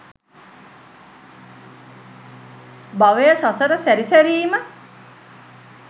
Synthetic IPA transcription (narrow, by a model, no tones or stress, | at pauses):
baʋəjəsɔsəɾəsæɾisæɾiːmə